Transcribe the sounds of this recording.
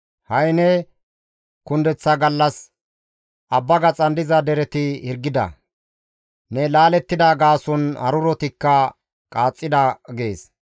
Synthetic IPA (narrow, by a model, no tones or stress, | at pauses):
hɐjnɛ | kʊnd̪ɛt͡sːɐɡɐlːɐs | ʔɐbːɐɡɐt͡sʼɐnd̪ɪzɐd̪ɛɾɛt̪ɪhɪɾɡːɪd̪ɐ̰ | nɛlaːlɛt̪ːɪd̪aɡaːsɔnhɐ̰ɾʊɾɔt̪ɪkːɐ | kʼaːt͡sʼːɪd̪ɐɡe̞ːs